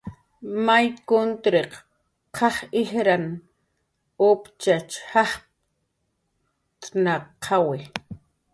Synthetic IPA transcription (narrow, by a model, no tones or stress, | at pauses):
majkʊnt̪ɾeq | qʰɑχɪhɾan | ʊpt͡ʃat͡ʃhɑχ | t̪ʼnaqʰɑwɪ